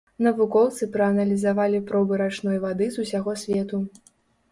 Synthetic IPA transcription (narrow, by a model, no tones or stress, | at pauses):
nɐvukɔwt̪sɨpɾɐɐnɐlʲizavalʲipɾɔwbɨɾat͡ʂnɔjvad̪ɨzusʲaɣɔsʲvʲɛt̪u